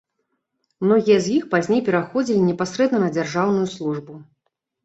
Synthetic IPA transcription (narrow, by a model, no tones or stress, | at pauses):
mnɔɣʲijɐzjixpazʲnʲejpʲɛɾaxɔd͡zʲilʲinʲɛpasɾɛd̪nɐnɐd͡zʲarʐawnujuslˠuʐbu